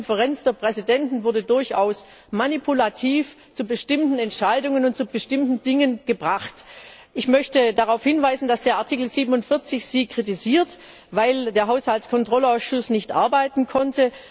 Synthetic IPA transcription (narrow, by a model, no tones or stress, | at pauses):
nfəʁɛnt͡sd̥eːɐpʁ̥ɛzidɛntn̩vʊɐdədʊɐçʔaʊs | manipʰulatʰiːf | t͡subəʃtɪmtn̩ɛntʃaɪdʊŋənʊntt͡sub̥əʃtɪmtn̩dɪŋənɡ̥əbʁaχt | ʔɪçmœçtədaʁaʊfhɪnvaɪzn̩d̥asd̥eːɐʔaɐtʰikl̩ziːbənʊntfɪɐt͡sɪçz̥iːkʁ̥itiziːɐt | vaɪldeːɐɦaʊshaltskʰɔntʁ̥ɔlaʊsʃʊsnɪçtʔa̰ɐbaɪtn̩kʰɔntə